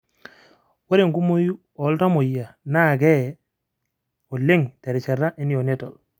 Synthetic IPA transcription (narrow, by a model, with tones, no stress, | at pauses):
wa˦ɾi˦˨ŋku˦mo˦ju˦ | ɔ˨˦lta˦mo˨ja˨na˦˨ɡɛ˦ | o˨le˦ŋte˨ɾi˨t͡ʃa˨ɾa˦ʔi˦ni˦jo˨ne˦to˨l